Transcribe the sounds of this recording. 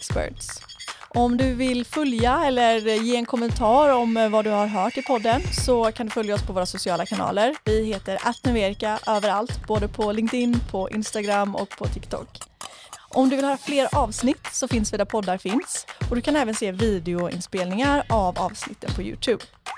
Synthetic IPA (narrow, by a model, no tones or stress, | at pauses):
kspæ̰ʈs | ʔɔmd̪ɵvɪlfœljaɛlːəɾjeːɛnkʰɔmːənt̪ʰɑːɾɔmvad̪ɵhaɾɦœːʈɪpʰɔd̪ːənsɔkʰand̪ɵfœljaɔspʰɔvoːɾasʊsɪɑːlakʰanɑ̰ːləɾvɪheːt̪əɾʔat̪nəveːɾɪkaʔøːvəɾalt̪boːd̪əpʰɔlɪŋkt̪ɪnːpʰɔʔɪ̰nst̪aɡɾamːɔ̰kpʰɔt̪ʰɪkt̪ʰɔ̰kː | ʔɔmd̪ɵvɪlhːɾafleːɾʔɑːvsnɪt̪ːsɔfɪnsviːd̪apʰɔd̪ːaɾfɪnsɔd̪ɵkʰanɛːvənseːviːd̪ɪʊɪ̰nspeːlnɪŋaɾavɑːvsnɪt̪ːənpʰɔjʉ̰ːt̪ʰʉ̟ːb